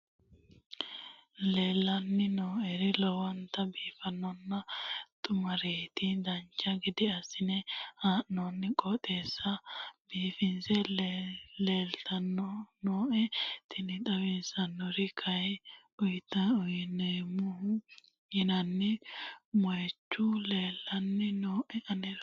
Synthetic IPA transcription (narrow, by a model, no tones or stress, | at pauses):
leːlːɐnːɪnoːɛɾɪlɔwɐnt̪ɐbiːfɐnːɔnːɐt̪ʼʊmɐɾeːt̪ɪd̪ɐnt͡ʃːɐɡɪd̪ɪɐsɪnɛhaːʔnɔnːɪkʼɔt̪ʼeːsːɐbiːfɪnsɛ | leːlt̪ʰɐnːɔnoːʔɛt̪ʰɪnɪt̪ʼɐwɪnsɐnːɔɾɪkʰɐj | ʊjt̪ɐʊjnemʊhʊ | hɪnɐnːɪmɔjɛt͡ʃːʊleːlːɐnːɪnoːʔɛɐnɛɾ